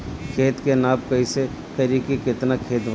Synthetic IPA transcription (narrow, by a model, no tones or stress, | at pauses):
kʰeːt̪kenaːbkəise | kəɾikikɪt̪nakʰeːt̪b